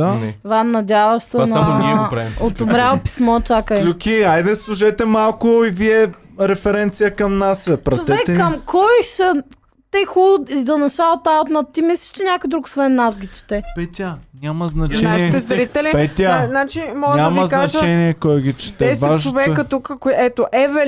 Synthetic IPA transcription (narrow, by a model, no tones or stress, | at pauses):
aɛvanɐd̪ʲavɐʃsɛnɐpɾaot̪ommɾapi̥smɔt͡ʃakəlʲukʲiajd̪ɐslˠuʒɛt̪ɛmalˠkʊiviɛ | ɾɛfɛɾɛnt̪sijəkɐmnasɛpɾɐt͡ʃovɛɛk̪ɛːɐmkʰɔjʃən | t̪ɛxuid̪ɐnɐʃalˠt̪awt̪nɐt̪t̪imislʲi̥ʃt͡ʃɛnʲakoid̪ɾukʊ̥svɛnːasɡʲit͡ʃɛ̥t̪ɛpɛt̪ʲanʲamɐznɐt͡ʃɛniɛɛzɾit̪ɛlipɛt̪ʲanat͡ʃimɔɡɲamɐzknɐʒt͡ʃt͡ʃɛniɛkɔjɡʲit͡ʃɛ̥t̪ɛvaʒt͡ʃʊvɛkət̪ukəkɛt̪oʔɛvɛ